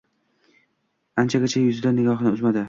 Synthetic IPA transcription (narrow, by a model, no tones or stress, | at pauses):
ant͡ʃʰaɡʲat͡ʃʰajʊzɪd̪anɪɡʲɒχnɪʊzmad̪ɪ